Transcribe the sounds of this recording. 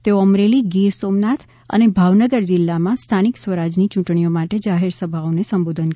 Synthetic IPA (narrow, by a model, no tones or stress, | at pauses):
t̪eoəmɾeliɡiɾsomnat̪ʰ | ə̰nebʱaʋnəɡəɾd͡ʒɪlːamãst̪ʰaniksʋəɾad͡ʒnit͡ʃũʈɳ̃ijomaʈed͡ʒaɦeɾsəbʱaonesəmbod̪ʱən